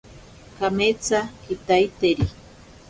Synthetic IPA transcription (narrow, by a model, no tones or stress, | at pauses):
kamet͡sakit̪ajt̪eɾi